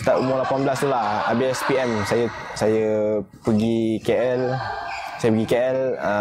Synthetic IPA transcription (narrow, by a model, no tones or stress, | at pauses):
t̪aʔumʊrlapanbəlast̪ulaha̰biɛspiɛmsajə | sajəpəɡikeʔɛl | sajəpəɡikeʔɛlə